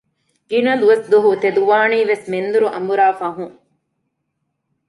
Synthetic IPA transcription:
ɡinɐd̪uʋɐsd̪uɦut̪ed̪uʋaːniːʋesmend̪uɾuʔɐ̰mbuɾaːfɐɦũŋ

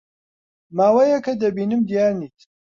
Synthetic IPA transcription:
maːwɐjɐkɐd̪ɐbiːnɨmd̪ijaːɾniːt̪

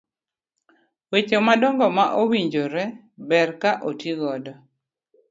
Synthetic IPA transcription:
wet͡ʃomadɔŋɡɔmaʔowiɲd͡ʒoɾɛ | bɛrkaʔotiɡɔdɔ

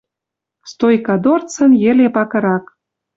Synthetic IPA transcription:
st̪ojkɑd̪ort͡sə̆njĕlepɑkɤ̆ɾɑk

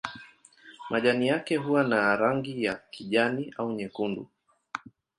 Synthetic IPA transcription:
mʔaʄanijakɛɦuwanaɾaŋɡijakiʄaniʔauɲɛkundṵ

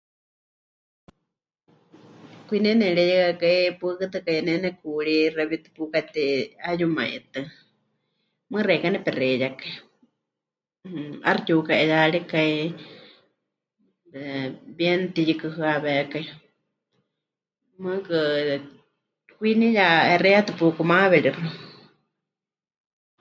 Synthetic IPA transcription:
kʷinɛnɛɺɛjɛkakaipɨkɨt̪ɨkajnɛnɛkuɺirɛβit̪ɨ̥pukat̪iajumã̰ḭʔt̪ɨ | mɨrɛkanɛpɛrɛjakai | arit̪ukaʔɛjaɺikai | bjɛnt̪ijɨkɨɦɨaβɛkai | mɨkɨ | hʷinijahɛrɛat̪ɨpukumaβɛɺirɨ

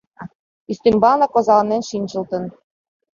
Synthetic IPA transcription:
yst̪embɑlnɑkozɑlɤ̆nenʃinʲt͡ɕɤ̆lt̪ɤ̆n

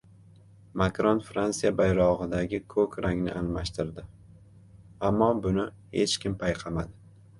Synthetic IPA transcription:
makɾonfɾant̪sijabajɾɒʁɨd̪aɡʲɪkʰɵkʲɾaŋnɪ̰ʔanmaʃt̪ɪɾd̪ɪ | amːɒbʊnɪ | het͡ʃkʲɪmpʰajqʰɑmad̪ɪ

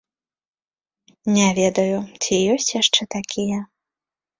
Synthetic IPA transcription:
nʲavʲɛd̪ɐjut͡sʲijɔsʲt͡sʲjaʂt͡ʂɛt̪akʲʰijɐ

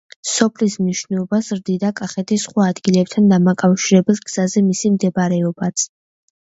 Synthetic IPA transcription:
sɔpʰlismniʃnɛlˠɔbasɾd̪id̪akʼaχɛt̪ʰisχwaːd̪ɡilɛp̚t̪ʰand̪amakʼafʃiɾɛbɛlˠɡz̥azɛmisimd̪ɛbaɾɛɔbat̪sʰ

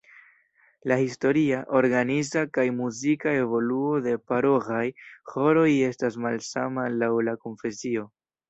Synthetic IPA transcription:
lahisto̞ɾiaʔo̞ɾɡanizakajmuzikae̞vo̞luo̞de̞paɾo̞ɣajho̞ɾo̞je̞stas̬malsamalawlako̞nfe̞sio̞

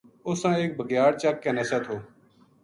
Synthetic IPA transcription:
ʊsãːeːk̚bʱəɡjaːɽt͡ʃaːkːɛːneːsãːt̪ʰoː

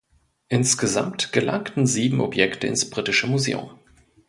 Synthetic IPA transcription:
ʔɪnsɡ̥əza̰mtɡ̥əlʔa̰ŋktn̩ziːbm̩ʔɔpjɛktəɪ̰nsb̥ʁitɪʃəmuzḛːʊ̰m

